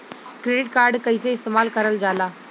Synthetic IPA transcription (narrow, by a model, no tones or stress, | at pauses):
kɾeːɖɪʈ̚kaːɾɖkəiːseɪst̪eːmaːlkəɾəld͡ʒaːlaː